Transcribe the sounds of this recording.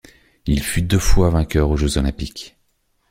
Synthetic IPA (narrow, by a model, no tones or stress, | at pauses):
ilfyd̪əfwavɛ̃kʲœʁoʒøzɔlɛ̃pik